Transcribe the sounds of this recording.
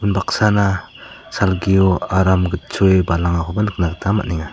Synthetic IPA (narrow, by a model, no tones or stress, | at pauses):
unbak̚sana | salɡioaɾamɡɯt̚t͡ʃoebalaŋakʰobanknak̚tama̰ʔ̚niŋa